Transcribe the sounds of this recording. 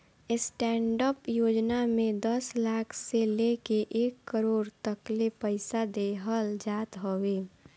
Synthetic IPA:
ɪsʈɛːɳɖəpjoːd͡ʒnamẽd̪əslaːkʰselekeʔeːkːəɾoːɾt̪əklepəɪsad̪eɦəld͡ʒaːt̪ɦoʋeː

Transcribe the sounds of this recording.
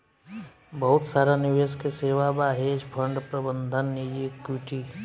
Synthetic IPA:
bəɦʊt̪saːɾanɪʋeskeseːʋabaɦed͡ʒpʰəɳɖpɾəbənd̪ʱənːid͡ʒikjuʈi

